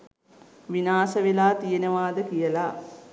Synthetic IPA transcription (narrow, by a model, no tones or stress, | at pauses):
ʋinaːsəʋilaːt̪ijenəʋaːd̪əkijəla